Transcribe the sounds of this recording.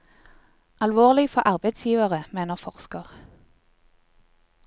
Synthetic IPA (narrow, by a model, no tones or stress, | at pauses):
ʔɑlʋoːʁlɪfɔʔɑʁbəɪd̪sjiːʋəʁəmeːnəʁfɔʁskəʁ